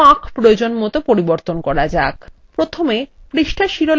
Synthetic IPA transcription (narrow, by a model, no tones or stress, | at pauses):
akʰpɾood͡ʑonmot̪opoɾiboɾt̪onkɔɾad͡ʑak | pɾot̪ʰomepɾiʃʈʰaʃiɾol